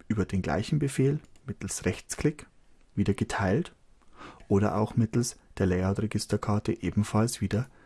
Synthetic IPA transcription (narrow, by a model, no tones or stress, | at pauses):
ʔyːbɐdeːnɡla̰ɪçn̩bəfeːlmɪtl̩sʁɛçt͡skl̥ɪk | viːdɐɡətʰaɪlt | ʔoːɾɐ̰ʔa̰ʊxmɪtl̩sd̥eːɐlɛɪaʊtʁeɡɪstɐkʰaɐtəʔeːbm̩falsv̥iːdɐ